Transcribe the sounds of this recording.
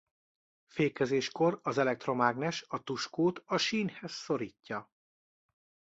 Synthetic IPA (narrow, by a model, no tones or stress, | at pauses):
feːkɛzeːʃko̞ɾɒzɛlɛk̚t̪ro̞maːɡnɛʃɒt̪uʃkoːt̪ɒʃiːnhɛzso̞ɾiːcːɒ